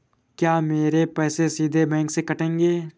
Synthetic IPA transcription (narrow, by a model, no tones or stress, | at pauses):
kjaːmeːɾepɛːsesiːd̪ʱebɛ̃ːŋksekɐʈẽːŋɡeː